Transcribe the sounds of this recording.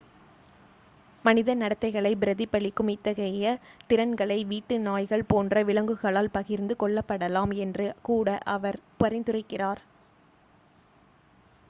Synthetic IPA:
mɐnɪðɐnɐɽɐt̪ːɐɪɣɐɭɐɪbɪɾɐðɪpːɐɭɪkːʊmɪt̪ːɐɣɐjɐt̪ɪɾɐnɡɐɭɐɪʋiːʈːɯnaːjɣɐɭpoːndrɐʋɪɭɐŋɡɯɣɐɭaːlpɐɣɪɾnd̪ɯkɔɭːɐpːɐɽɐlaːmɛndrɯkuːɽɐʔɐʋɐɾpɐɾɪnd̪ɯrɐɪkːɪraːɾ

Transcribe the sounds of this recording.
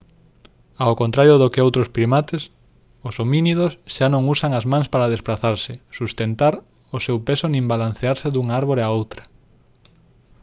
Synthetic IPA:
aokõnt̪ɾaɾjoðokeowt̪ɾospɾimat̪es | osominiðosʃanõŋusaŋɐzmãŋspaɾað̞espɾaθaɾsɪsust̪ent̪aɾ | osewpesonĩmbalan̟θeaɾseðuŋaaɾβoɾeaowt̪ɾɐ

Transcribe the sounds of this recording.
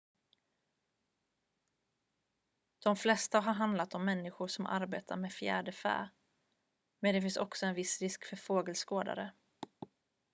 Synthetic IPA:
d̪̥ɔmflɛst̪aɦaɾɦand̪lat̪ɔmːɛnːɪɧʊʂɔmʔa̰ɾbeːt̪ʰaɾmeːfjæ̰ːɖəfæ̰ː | mɛnd̪ɛfɪnsɔksɔɛnvɪsɾɪskfœɾfoːɡəlskoːd̪a̰ɾə̰

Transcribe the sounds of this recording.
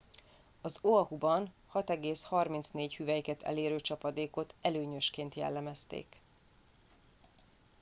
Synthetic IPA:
ɒzoɒhubɒn | hɒt̪ɛɡeːshɒrmint̪sneːchyvɛjikɛt̪ɛ̰leːɾøːt͡ʃɒpɒd̪eːko̞t̪ɛløːɲø̞ʃkeːnt̪jɛ̰lːɛmɛst̪ḛːk

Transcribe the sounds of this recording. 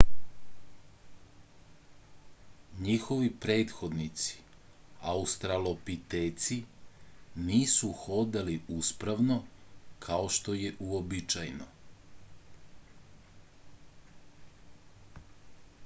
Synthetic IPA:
ɲixo̞ʋipɾeːt̪xo̞d̪nit̪si̥ | aust̪ɾalopit̪eːt̪si | niːsuxo̞d̪eliuspɾaʋnokʰaoʃt̪o̞je̞ʔuobit͡ʃajno

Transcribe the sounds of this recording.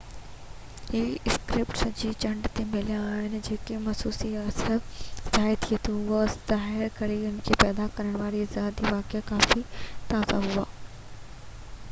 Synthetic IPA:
ɦiːɪskɾɪpʈsɐd͡ʑit͡ɕɐ̃ɳɖt̪emɪlijãaːɦɪnɪ̆d͡ʑeːkemɐsuːsiaːsəzaːɪt̪ʰiet̪ʰuɦʊaz̥aːɦɪɾkɐɾiʊnkʰeːpɛːd̪akɐɾəɽ̃ʋaːɾiɪzaːd̪iʋaːkɪakaːfit̪aːzaɦʊaː

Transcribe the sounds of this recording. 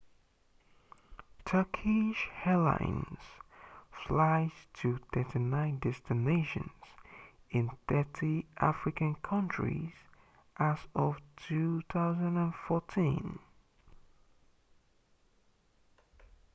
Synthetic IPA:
tʰɜ˞kʰiʃhɛlã̰ɪ̃nz̥flaɪz̥tʰɨθɜtinãɪ̃ndɛstɨneɪʃɨ̰̃nz̥ | ɪ̃nθɜ˞tʰiʔa̰fɹɪkɨ̃nkʰʌ̃nt͡ʃɹḭz̥ | ʔəzʌv̥tʰuθaʊzə̃ndə̃nfɔtʰĩn

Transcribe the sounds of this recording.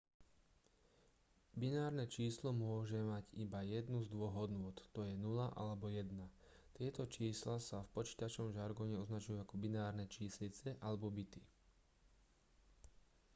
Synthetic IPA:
binaːɾnɛt͡ʃiːslɔmʊɔʒɛmaɟibajɛd̪nuzd̪ʋɔɦɔd̪nʊɔt̪t̪ɔjɛnulaʔa̰lɛbɔjɛd̪na | t̪ɪɛt̪ɔt͡ʃiːslasafpɔt͡ʃi̥ːt̪at͡ʃnɔmʒaɾɡɔɲɛɔznat͡ʃujuakɔbinaːɾnɛt͡ʃiːslit͡sɛʔalɛbɔbit̪i

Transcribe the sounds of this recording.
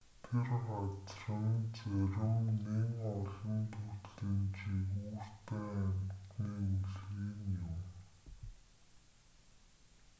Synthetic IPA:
t̪ʰerat͡srə̆nt͡sœɾɪ̆ŋneŋɔɮɞ̆nt̪ʰut̪ɮiːnt͡ɕiɣuːr̥t̪ʰeːæmt̪niːuɮɣiːnjʊm

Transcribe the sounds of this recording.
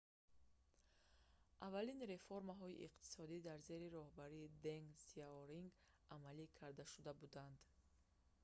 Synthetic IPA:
ʔavalinɾe̞foɾmaɦɔḭʔḭqt̪ʰi̥sɔd̪id̪aɾze̞ɾiɾɔhbaɾiːd̪eŋɡsiaoɾiŋɡ | amalikʰaɾd̪aʃud̪abud̪and̪

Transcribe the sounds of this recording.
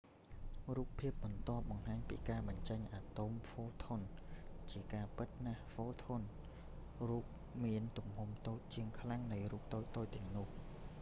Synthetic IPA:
ruːpʰːiəp̚ɓɑnt̪ŏəp̚ɓɑŋɦaːɲpḭːkaːɓɑɲt͡ɕəɲʔaːt̪umfoːt̪ʰont͡ɕiəkaːpɨt̪̚nahfoːlt̪ʰon | ruːp̚ | miənt̪umhumt̪oːc̚t͡ɕiəŋkʰlaŋnɨjruːp̚t̪oːc̚t̪oːc̚t̪ɛ̆əŋnʊ̆əh

